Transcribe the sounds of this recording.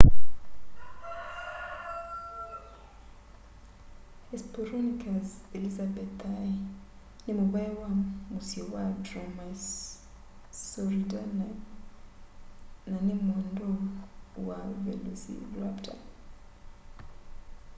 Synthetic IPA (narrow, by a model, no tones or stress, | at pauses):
ɛspɔɾɔnikʰazɛlizabɛt̪ai | nimuβaɛwamusiɔwadɾɔmas | sɔɾidanɛ | nanimɔndɔwavɛ̰lusḭlwapda